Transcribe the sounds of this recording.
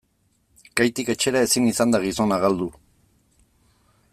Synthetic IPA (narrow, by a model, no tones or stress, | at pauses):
kajt̪ike̞t͡ʃe̞ɾae̞sinisand̪aɣiso̞naɣald̪u